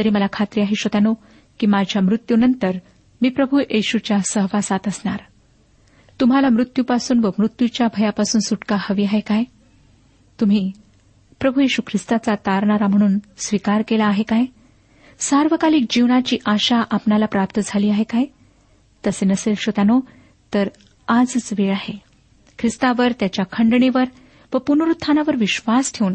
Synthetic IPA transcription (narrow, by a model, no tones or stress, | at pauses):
t̪əɾiːməlakʰat̪ɾiaɦeɕot̪ano | kiːmad͡ʑʱjamɾut̪junənt̪əɾ | miːpɾəbʱuʔeɕut͡ɕjasəɦʋasat̪əsɳaɾ | t̪um̤alamɾut̪jupasuːnʋəmɾut̪jut͡ɕjabʱəjapasuːnsuʈkahəʋiːaɦekaj | t̪um̤iː | pɾəbʱujeɕukʰɾist̪at͡sat̪aɾɳaɾam̤əɽ̃uːnsʋikaɾkelaːɦekaj | saɾʋəkalik̚d͡ʑiʋɳat͡ɕiːʔaɕaʔapnalapɾapt̪əd͡zʱaliːaɦekaj | t̪əsenəselɕot̪ano | t̪əɾ | ad͡zt͡sʋeɭaɦe | kʰɾist̪aʋəɾt̪jat͡ɕjakʰəɳɖɳeʋəɾ | ʋəpunɾut̪ʰːanaʋəɾʋiɕʋastʰeun